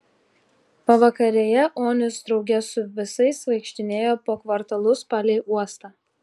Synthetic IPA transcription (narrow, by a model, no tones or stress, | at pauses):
pɐʋɐkɐɾʲeːjɛʔoːnʲɪsd̪ɾɒʊɡʲɛsʊʋʲɪsɐɪsʋɐɪkʃʲt̪ʲɪnʲeːjoːpoːkʋɐɾt̪ɐlˠʊspɑːlʲɛɪʔuɔst̪ɑː